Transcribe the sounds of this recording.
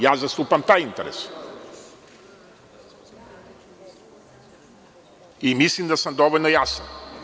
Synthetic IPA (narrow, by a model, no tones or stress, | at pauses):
jazɐst̪upɐmt̪aĩnt̪eɾḛs | imisind̪ɐsɐ̃nd̪ɔvɐnojasɐ